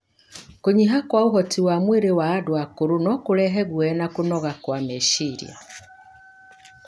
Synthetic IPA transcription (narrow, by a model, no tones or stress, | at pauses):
kuɲiɦakwauɦɔtiwamweɾewaːdwakuɾunɔkulɛɦɛɡwɛnakunɔɣakwameʃiɾj̰a̰